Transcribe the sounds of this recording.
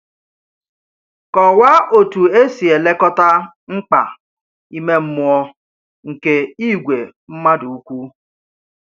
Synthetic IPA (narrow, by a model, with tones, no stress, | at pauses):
kɔ˨wa˦o˨tu˨e˦si˨e˨le˦kɔ˦ta˦ | ŋ͡m̩˦k͡pa̰˨ | i˦me˦m̩˦mʊ˦ɔ˦ | ŋ̩˨ke˦i˦˨ɡʷe˨ | m̩˦ma˦du˨u˦kʷu˦